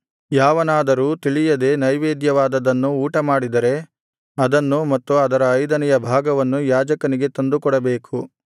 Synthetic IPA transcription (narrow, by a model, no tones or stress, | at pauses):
jaːʋɐnaːd̪ɐɾuːt̪iɭijɐd̪e̞nɐjʋeːd̪jɐʋaːd̪ɐd̪ɐnːuuːʈɐmaːɽid̪ɐɾe̞ | ɐd̪ɐnːumɐt̪ːuɐd̪ɐɾɐːjd̪ɐnɛjɐbʱaːɡɐʋɐnːujaːd͡ʒɐkɐniɡe̞t̪ond̪ukɔɽɐbeːkʰu